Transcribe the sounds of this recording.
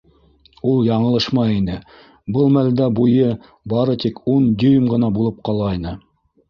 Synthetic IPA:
ulˠjɑɴɤ̆lˠɤ̆ʃmɑinɘ | bɤlˠmæld̪æbujɤ | bɑɾɤt̪ikund̪ɵjmʁɤ̆nɑbulˠɤp̚qɑlˠɑjnɤ

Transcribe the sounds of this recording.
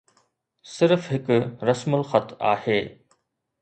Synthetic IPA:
sɪɾfɦɪkɾɐsmʊlxɐt̪a̰ːheː

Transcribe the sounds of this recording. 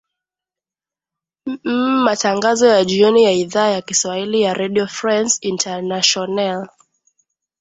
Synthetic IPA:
mataŋɡazɔjaʄiɔnijaiðaːjakiswahilijaɾʔɛɗiɔfɾansintʰanaʃɔnal

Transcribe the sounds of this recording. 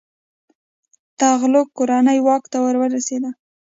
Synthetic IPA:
t̪aɣlok̚kːoɾanəjwɑkt̪awəɾwəɾased̪a

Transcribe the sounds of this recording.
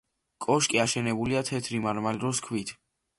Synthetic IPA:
kʼɔʃkʼiaʃɛnɛbuliat̪ʰɛt̪ʰɾimaɾmalɾɔskʰwit̪ʰ

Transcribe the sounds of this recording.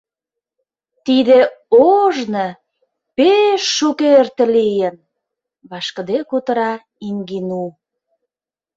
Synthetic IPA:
t̪id̪eoʒnə | peʃːukert̪ĕlijən | βɑʃkə̆d̪ekut̪ə̆ɾɑ | iŋɡinu

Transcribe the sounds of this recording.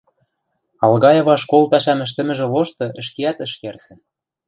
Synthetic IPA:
ɑlɣɑjɤ̆βɑʃkolpæʃæmɘ̆ʃ̬t̪ɘ̆mɘ̆ʒĕloʃt̪ɤ̆ʔə̆ʃkeæt̪ə̆ʃkersɘ̆n

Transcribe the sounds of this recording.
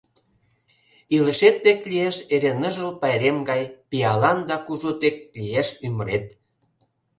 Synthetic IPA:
ilə̆ʃet̪ːeklieʃeɾenə̆ʒəlpɑjɾemɡɑjpijɑlɑnd̪ɑkuʒot̪ek̚lijeʃyməɾet̪̚

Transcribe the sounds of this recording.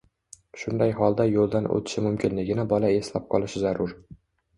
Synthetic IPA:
ʃʊnd̪ajɦɒlˠd̪ajolˠd̪anʔɵ̰t̪ʰɪ̥ʃɪmʊmkʲɪnlɪɡʲɪnɪbɒlae̞slap̚qʰɒlˠɪʃɪzaɾʊɾ

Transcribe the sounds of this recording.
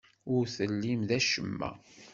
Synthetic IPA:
ʊɾθəlːimðæʃəmːæ̰

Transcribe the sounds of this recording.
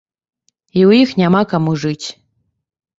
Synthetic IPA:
iuixnʲamɑkamuʐɨtʲ

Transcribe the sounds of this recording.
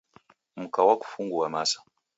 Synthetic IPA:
m̩kawaku̥fuŋɡuwamasḁ

